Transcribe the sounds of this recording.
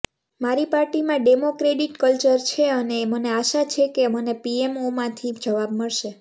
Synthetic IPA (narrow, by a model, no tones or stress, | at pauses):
maɾipaɾʈimãɖemokɾeɖiʈkəlt͡ʃəɾt͡ʃʰeəneːməneaʃat͡ʃʰekemənepiemomãt̪ʰid͡ʒəʋab̚məɭʃe